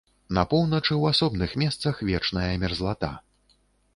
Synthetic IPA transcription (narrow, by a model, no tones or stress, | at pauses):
nɐpɔwnɐt͡ʂɨwasɔbnɨxmʲɛst̪sɐxvʲɛt͡ʂnɐjɐmʲɛrzlˠat̪a̰